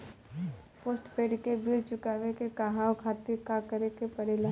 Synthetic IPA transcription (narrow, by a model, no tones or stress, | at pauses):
poːsʈpeːɖkebʱilt͡ʃʊkaːʋekekaɦaːwkʰaːt̪iɾkakəɾekepɐɾela